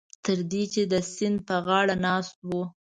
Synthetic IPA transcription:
t̪əɾd̪it͡ʃed̪əsɪnd̪̚pəɣɑɽanɑst̪̚wu

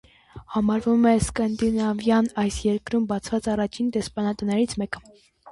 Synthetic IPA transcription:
hɑmɑɾvumɛskɑnd̪inɑvjɑnɑjsjɛɾkɾumbɑt͡sʰvɑt͡sɑrɑt͡ʃʰind̪ɛspɑnɑt̪ənɛɾit͡sʰmɛkə̥

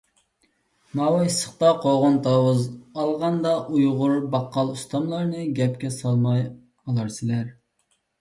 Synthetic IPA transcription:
mɑwɑjsə̥χt̪ɑqʰoʁʊnt̪ʰɑwuzɑlˠʁɑnd̪ɑʔujʁʊɾbɑqʰːɑlˠust̪ʰɑmlˠɑɾnɨɡʲɛpkʲɛsɑlˠmɑj | ɑlˠɑɾsɨlæɾ

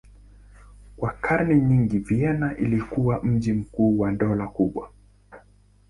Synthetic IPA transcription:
kwakʰaɾnɛɲiŋɡiviɛnaʔilikuwam̩ʄim̩kuːwandɔlakuɓwa̰

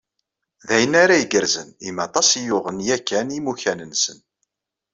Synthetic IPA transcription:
ðæjənaɾæiɡəɾzənimɑt̪ˤɑsijʊʁənjækːænimuçænənsən

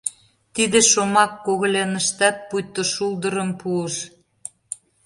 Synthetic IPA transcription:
t̪id̪eʃomɑkːoɣə̆lʲenəʃt̪ɑt̪̚pujt̪ːoʃuld̪əɾə̆mpuəʃ

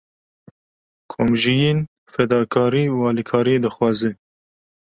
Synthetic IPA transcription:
kʰomʒijeːn | fɛd̪ɑːkʰɑːɾiːuɑːlikʰɑːɾijed̪ɨxwɑːzɨ

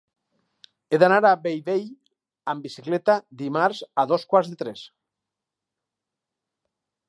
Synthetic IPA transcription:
eðanaɾabejβej | ambisiklet̪ad̪imaɾzaðoskwaɾzðet̪ɾes

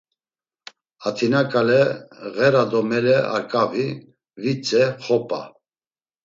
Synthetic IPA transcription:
at̪ʰinakʼalɛɣɛɾad̪ɔmɛlɛa̰ɾkʼavi | vit͡sʼɛχɔpʼa̰

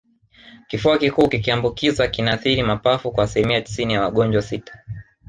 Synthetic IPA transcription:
kifuakikuːkikiambukizakinaθiɾimapafukwaːsilimiati̥sinijawaɠɔɲd͡ʒwasitḁ

